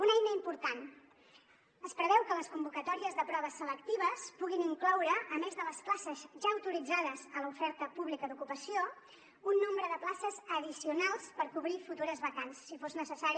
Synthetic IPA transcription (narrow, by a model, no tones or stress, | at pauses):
unajnəimpuɾt̪an | əspɾəβɛwkələskumbukət̪ɔɾiəzðəpɾɔβ̞əsələkt̪iβ̞əspuɣiniŋklɔwɾəʔːmezðələsplasəzʒaəwt̪uɾid͡zaðəzələufɛɾt̪əpuβlikəðukupəsio | unːombɾəðəplasəzəðisiunalˠspəɾkuβɾifut̪uɾəzβəkansːifoznəsəsaɾi